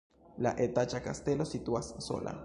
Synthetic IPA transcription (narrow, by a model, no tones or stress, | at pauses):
laʔet̪at͡ʃaka̰st̪elosit̪uasso̰lʔa̰